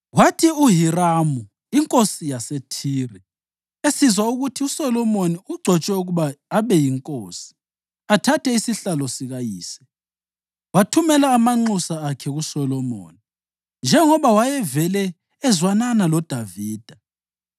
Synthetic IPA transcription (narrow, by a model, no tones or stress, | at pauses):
watʰiuɦiramu | iŋkʼosijasetʰiːrɛ | esizwauɣutʰiusɔlɔmoniuɡ͡ǀʱɔt͡ʃʼɛuɣuβaːβɛjiŋkʼoːsi̥ | atʰatʰɛisiɬalɔsiɣajiːsɛ̥ | watʰumɛlaːmaŋ͡ǃusaːkʰɛɣusɔlɔmo̰ːni | nd͡ʒʱɛŋɔβawajɛvɛlɛː | zwananalɔd̥ʱaviːd̥ʱa